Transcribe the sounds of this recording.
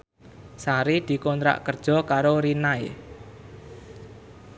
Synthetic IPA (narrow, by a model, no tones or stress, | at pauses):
saɾid̪̥i̤kɔnt̪ɾa̰ʔkərd̥ʒ̥ɔ̤kaɾoɾinaḛ